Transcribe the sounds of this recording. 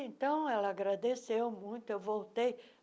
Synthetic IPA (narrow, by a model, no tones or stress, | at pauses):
ẽnt̪ɐ̃w̃ɛlaɡɾad̪esewmũj̃t̪ʊɛvowt̪ej